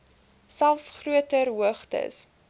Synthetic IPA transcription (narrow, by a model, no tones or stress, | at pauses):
sælˠfsχruətərɦuəχtə̰s